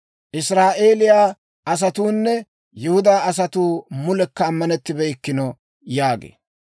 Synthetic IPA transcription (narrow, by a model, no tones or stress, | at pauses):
ʔɪsɾaːʔe̞ːlɪjaː | ʔɐs̬ɐt̪uːnːɛ | jʊhʊd̪aːɐs̬ɐt̪uːmʊlɛkːɐːmːɐnɛt̪ːɪbɛɪkːɪnɔ | jaːɡḛː